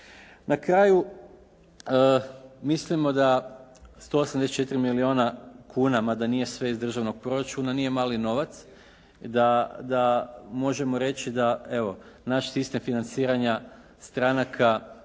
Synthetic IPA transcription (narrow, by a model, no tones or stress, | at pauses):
nʔakɾaːju | əmislimo̞d̪ast̪o̞ːosamd̪est͡ʃe̞t̪ɾimilioːnakʰuːnamad̪anije̞sʋe̞izd̪r̩ʒaʋno̞ɡ̚pɾo̞ɾat͡ʃunanije̞maːlino̞ʋat̪s | d̪ad̪amo̞ʒe̞mo̞ɾe̞t͡ʃid̪aeʋo̞naʃsist̪e̞mfinant̪siːɾaɲa | st̪ɾanakʰa